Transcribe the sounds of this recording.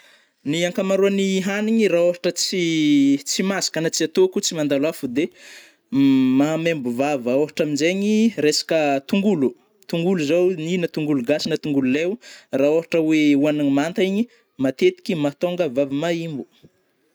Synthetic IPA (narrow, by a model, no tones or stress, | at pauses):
niaŋkamaɾuaniɦaniɲiraoɦaʈ͡ʂət͡sit͡simasḁkanat͡siat̪okut͡simand̪alafud̪e | mamembuvavəoɦaʈ͡ʂamind͡ʒeɲiɾesḁkət̪uŋɡulu | t̪uŋɡuluzowninat̪uŋɡuluɡasinat̪uŋɡululewraoɦaʈ͡ʂəweuanaŋmant̪aiɲi | mat̪et̪i̥kʲimat̪oŋɡəvavimaimbu̥